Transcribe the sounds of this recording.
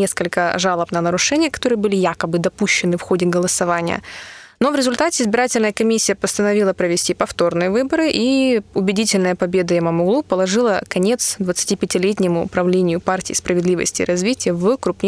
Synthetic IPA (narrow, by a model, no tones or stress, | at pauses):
eskəlʲkəʐalˠəpnənəɾʊʂɛnʲɪjəkɐ̥t̪o̞ɾɨjəbɨlʲɪjakəbɨd̪ɐpuɕːɪnɨfxo̞dʲɪɡəlˠəsɐvanʲɪjə̰no̞vɾʲɪzʊlʲt̪atʲɪɪzbʲɪɾatʲɪlʲnəjəkɐmʲisʲːɪjəpəst̪ənɐvʲilˠəpɾəvʲɪsʲtʲipɐft̪o̞rnɨjəvɨbəɾɨʔiʊbʲɪdʲitʲɪlʲnəjəpɐbʲe̞d̪əɪməmʊɡlˠupəlˠɐʐɨlˠəkɐnʲe̞t̪sd̪vət̪sɨ̥tʲipʲɪtʲɪlʲetʲnʲɪmʊ̰ːpɾɐvlʲenʲɪjʊpartʲɪːspɾəvʲɪd̪lʲivə̰sʲtʲɪ̰ːɾʔɐzvʲitʲɪjəvkɾʊpnʲ